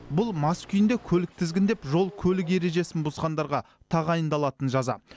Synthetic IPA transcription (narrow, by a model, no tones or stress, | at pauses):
bʊlˠmɑskʲʰʏjɪnd̪e̞kʲʰɵlɪk̚t̪ʰɪzɡʲɪnd̪epʒo̞lˠkʲʰɵlɪk̬je̞ɾe̞ʒe̞sɪnbʊzqɑnd̪ɑɾʁɑ | t̪ʰɑʁɑjənd̪ɑlˠɑt̪ənʒɑzɑ̰